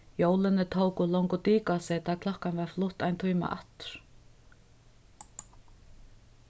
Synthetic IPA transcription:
joːwlɪnːɪt̪ʰoːwkʏlowŋkʏt̪iːkasɛːt̪akʰlɔhkanvɛɾ̥flʊht̪ajnt̪ʰœːma̰ʔa̰ht̪ʏ̥ɾ̥

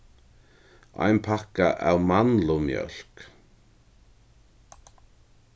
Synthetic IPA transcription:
a̰jnpʰakaʔawmanlʊmjœ̰l̥k

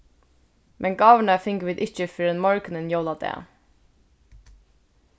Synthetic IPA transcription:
mʔɛnɡɑːʋəɳafɪŋkʋiːd̪ɪt͡ʃəfɪɾɛnmɔɹknənjoːwlad̪ɛ̰ː

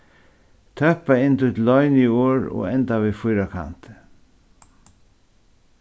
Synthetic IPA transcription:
t̪ʰœhpaɪnt̪ujt̪lːɔʏnioːɾɔ̰ːɣɛnt̪aʋiːfʊjɾakʰa̰nt̪

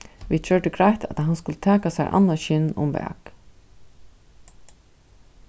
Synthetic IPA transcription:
ʋid̪t͡ʃœʈɪɡɾajht̪a̰t̪aɦanskʊlət̪ʰɛːkasɛɾʔa̰nːaʃɪnʊ̰mvɛ̰ːk

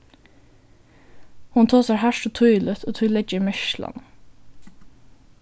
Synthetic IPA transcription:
hʊnt̪ʰoːsɑhæʃoːt̪ʰʊʏlət̪ʰoːt̪ʰʊlɛd͡ʒəmœçʃlɑ̰n

